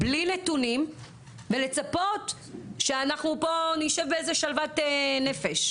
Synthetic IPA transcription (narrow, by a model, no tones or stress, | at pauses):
blinetunim | vele̞t͡sapo̞t | ʃeanaχnupo̞niʃevbeezeʃalvatene̞feʃ